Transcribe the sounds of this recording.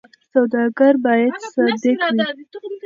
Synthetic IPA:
sawd̪ɑɡaɾbɑjad̪saɾd̪ekwi

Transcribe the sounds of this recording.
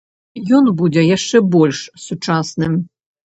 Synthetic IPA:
jɔnbud͡zʲɛjaʂt͡ʂɛbɔlʲʂsut͡ʂasnɨm

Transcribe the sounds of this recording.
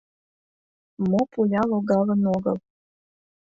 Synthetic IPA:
mopulʲɑlˠoɡɑlə̆noɣɤ̰l

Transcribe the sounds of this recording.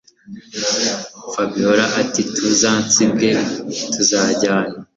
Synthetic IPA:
fabioɾaʔatitʰuzaːnt͡sibdetʰuzaːɟaːɲa

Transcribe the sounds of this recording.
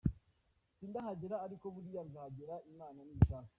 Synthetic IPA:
siːndahaɟeɾaːɾiko̞βuɾijanzahaɟeɾaimaːnaniʃaːka

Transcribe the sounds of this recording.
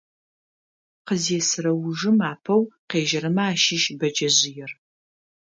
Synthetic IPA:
qəzeːsɨɾɐwʊʒɨmaːpʰɐwqeːʒɐɾɨmɐaːʃɪʃbɐd͡ʒɐʑɪjɛr

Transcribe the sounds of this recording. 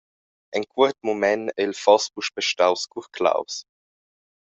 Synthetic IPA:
ʔɛnkʰuət̪momɛnɛlfɑspuʃb̥əʃtawskuχkʰla̰ws

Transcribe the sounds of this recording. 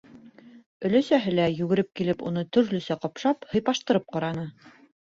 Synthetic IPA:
ɵ̆læsæɦɘlæjʉɡɘ̆ɾɘp̚kilɘpunɤt̪ɵ̆ɾlɵ̆sæqɑpʃɑphɤ̆jpɑʃt̪ɤ̆ɾɤp̚qɑɾɑnɤ

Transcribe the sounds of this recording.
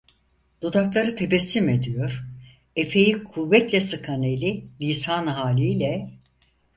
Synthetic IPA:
d̪̥ud̪aklˠaɾɯt̪ʰe̞bɛsːime̞d̪ijo̞ɾ̥ | e̞pʰe̞jikʰuvːɛt̪lʲɛsɯkʰanelʲilʲisaːnɯɦaːlʲijlʲɛ

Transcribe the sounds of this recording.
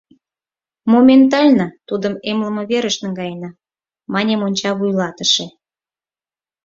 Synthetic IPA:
momʲent̪̬ɑlʲnət̪ud̪əmemləmə̆βeɾəʃnə̆ŋɡɑjenɑ | mɑnʲemonʲt͡ɕɑβujlɑt̪ə̥ʃe

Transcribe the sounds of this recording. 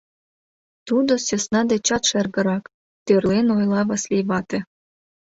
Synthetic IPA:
t̪ud̪osesnɑd̪et͡ɕɑt̪ʃerɣə̆ɾɑk | t̪ørlenojlɑβɑslʲejβɑt̪ĕ

